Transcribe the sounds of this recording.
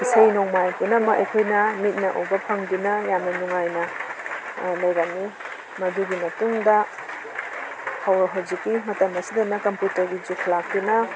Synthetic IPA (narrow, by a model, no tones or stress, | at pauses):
isɐjnoŋmajpunɐmɐɐ̰jkʰojnɐmit̚nɐʔo̰bɐpʰɐŋdunɐjamnɐnuŋajnɐ | lɐjɡamːi | mɐduɡimɐtuŋdɐ | hawɾɐɦawzikːimɐtɐmɐsidɐnɐkɐmputɐɾɡid͡ʒukʰlak̚dunɐ